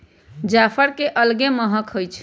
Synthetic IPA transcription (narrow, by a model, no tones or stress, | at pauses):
d͡ʒapʰəɾkeʔəlɡeməɦəkɦojt͡ʃʰ